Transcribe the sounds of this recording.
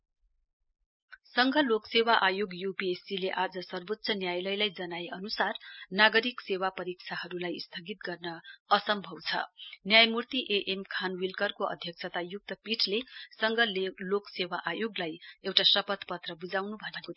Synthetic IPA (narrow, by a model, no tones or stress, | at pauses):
sʌŋɡʱʌloksewaʔajoɡjupiesileʔad͡zʌsʌrbot̪ːsʰʌnjajlʌjlajd͡zʌnaeʔʌnusarnaɡʌɾiksewapʌɾik̚t͡sʰaɦʌɾulajst̪ʰʌɡit̪̚ɡʌrnʌːsʌmbʱʌwt͡sʰʌ̰njajmurt̪iʔeʔemkʰanwilkʌrkoʌ̰d̪ʱjʌk̚t͡sʰʌt̪ajuk̚t̪ʌpiʈʰlesʌŋɡʱʌloksewaʔajoɡlajewʈasʌpʌt̪pʌt̪rʌbud͡zawnubʱʌnenko